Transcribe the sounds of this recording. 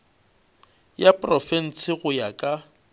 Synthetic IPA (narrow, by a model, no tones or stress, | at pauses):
japʼrɔfɛn̩sɪɣʊjakʼa